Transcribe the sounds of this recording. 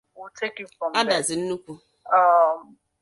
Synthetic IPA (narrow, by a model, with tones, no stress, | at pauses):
u˦tʰe˦ki˦fɔ̃˨ma˦da˨zɪ˨n̩˦nu˦kʷu˦ | ɔ˦